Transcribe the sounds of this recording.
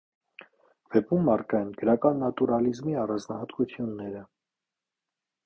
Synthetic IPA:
v̥ɛpumːɑɾkɑɛnɡəɾɑkɑnːɑt̪uɾɑlizmiɑrɑnd͡znɑɦɑt̪kut͡sʰjunːɛɾə

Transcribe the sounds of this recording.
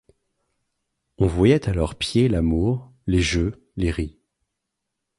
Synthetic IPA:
ɔ̃vwajɛt̪alɔʁpjelamuʁ | leʒø | leʁi

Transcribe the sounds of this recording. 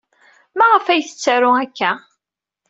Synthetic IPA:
mæʁəfæjθə̥t͡sːaɾʊækːæ

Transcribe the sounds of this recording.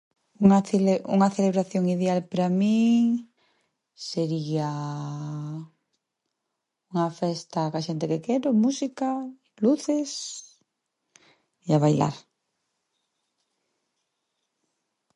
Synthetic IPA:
uŋaṵŋaθeleβ̞ɾaθjoŋið̞ealpɾamĩ | seɾia | uŋafest̪akaʃent̪ekekeɾomusika | luθes | iaβajla̰ɾ

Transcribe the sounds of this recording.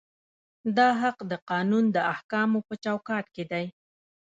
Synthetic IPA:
d̪ɑɦaqd̪əqɑnund̪əahkɑmopət͡ʃawkɑʈ̪ked̪aj

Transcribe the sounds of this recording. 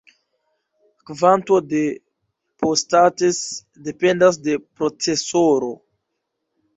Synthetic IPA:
kvanto̞de̞ | postates | de̞pe̞ndas̬de̞pɾo̞t͡se̞soɾo̞

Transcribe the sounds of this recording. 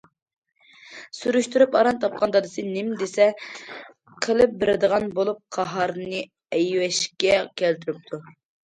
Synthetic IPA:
suɾuʃt̪uɾupɑɾɑnt̪ʰɑp̚qʰɑnd̪ɑd̪ɨsɨnɪmd̪esɛ | qʰəlˠɨp̚beɾɪd̪əʁɑnbolˠup̚qʰɑɦɑɾnɨ | ɛjwɛʃkʲɛkʲʰælt̪yɾyp̚t̪ʰu

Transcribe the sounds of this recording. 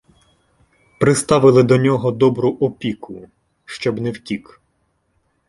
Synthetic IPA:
pɾɪst̪ɑʋɪlˠɪd̪ɔnʲɔɦɔd̪ɔbɾʊʔɔpʲikʊ | ʃt͡ʃɔbnɛwtʲik

